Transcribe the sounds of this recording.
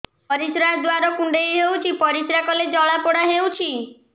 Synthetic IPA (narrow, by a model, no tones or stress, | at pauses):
pɔɾisɾad̪waɾɔkuɳɖejɦewt͡ʃʰipɔɾisɾakɔled͡ʒɔɭapɔɽaɦewt͡ʃʰi